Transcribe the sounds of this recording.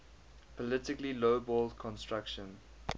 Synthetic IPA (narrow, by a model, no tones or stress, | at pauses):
pʰɔlɪtɪkliloʊbɔːldkʰɔ̃nstɹakʃə̃n